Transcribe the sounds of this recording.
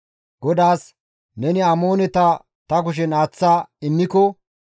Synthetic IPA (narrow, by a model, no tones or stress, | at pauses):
ɡ̥ɔd̪aːs | nɛnɪamo̞ːnɛt̪ɐ | t̪ɐk̬ʊʃ̬ɛnaːt͡sːaːɪnːɪkɔ